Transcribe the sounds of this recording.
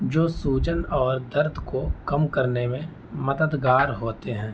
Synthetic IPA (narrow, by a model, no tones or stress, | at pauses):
d͡ʒoːsuːt͡ʃənɔːɾd̪ɐɾd̪ʱkokɐmkɐɾnemẽ | mɐd̪əd̪ɡaːɾɦoːt̪eɦɛ̃ː